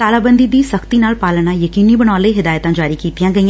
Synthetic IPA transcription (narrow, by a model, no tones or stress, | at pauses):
t̪aːlaːbə̃nd̪id̪iːsɐxt̪inaːlpaːlñajəkiːnibɐñaːleɦɪd̪aːjət̪ãːd͡ʒaːɾikiːt̪ɪjãːɡəiã